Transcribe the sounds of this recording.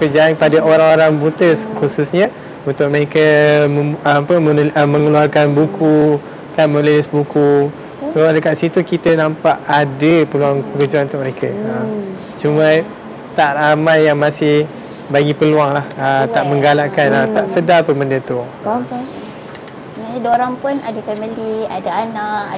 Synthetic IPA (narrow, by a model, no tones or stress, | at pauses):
kəd͡ʒaanpadaoɾaŋoɾaŋbut̪əskususɲə | unt̪ʊk̚məɾekəməpəəəmə̃ŋəluarkanbukʰu | kanmə̃lulɪsbuku | soadəkaʔ̪sit̪ukit̪ənampaʔadəpəluaŋpəkəd͡ʒuanunt̪ʊʔməɾekʰəəm | t͡ʃumə̃ | t̪aʔramajːaŋmasɪh | baɡipəluaŋlahət̪aʔmə̃ŋɡalaʔkanat̪aʔsədapəməndət̪u | sənaɲadoɾaŋpʊnadafɛməliadaanaʔʔ